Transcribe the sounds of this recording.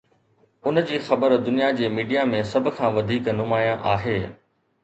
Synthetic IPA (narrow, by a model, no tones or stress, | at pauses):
ʊnd͡ʑiːxɐbəɾd̪ʊnijad͡ʑeːmiːɖijamẽsɐbʱʊ̆kʰãːʋɐd̪ʱiːknʊmaːjãʔaːɦeː